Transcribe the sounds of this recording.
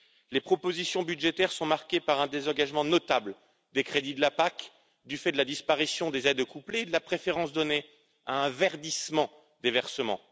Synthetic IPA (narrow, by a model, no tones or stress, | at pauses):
lepχɔpozisjɔ̃byd̪ʒet̪ɛʁsɔ̃maʁkʲepaʁɛ̃d̪ezɑ̃ɡaʒmɑ̃nɔt̪abl | d̪ekχed̪id̪əlapak | d̪yfɛd̪əlad̪ispaʁisjɔ̃d̪ezɛd̪kupleːd̪əlapχefeʁɑ̃sd̪ɔne | aɛ̃vɛʁd̪ismɑ̃ | d̪evɛʁsəmɑ̰̃